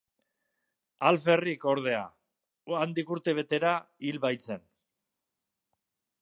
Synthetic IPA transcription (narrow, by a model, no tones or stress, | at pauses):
alfe̞riko̞ɾð̞e̞a | and̪ikuɾt̪e̞β̞e̞t̪e̞ɾailβajt͡se̞n